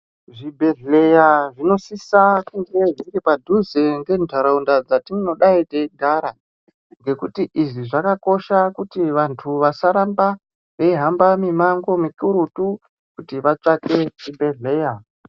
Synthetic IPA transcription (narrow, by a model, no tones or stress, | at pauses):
ʐibʱe̞ɮe̞jaʐino̞sisakuŋɡe̞ʐiŋɡepadʱuze̞ŋɡe̞ntaɾaundad͡zatiŋɡeno̞ɗaiteɡʱaɾa | ŋɡe̞kutiʔiʐiʐakako̞ʃakutiʋantʰuʋasaɾamba | ʋeiɦambamimaŋɡo̞mikuɾutu | kutiʋat͡ʂakeʐibʱe̞ɮe̞ːja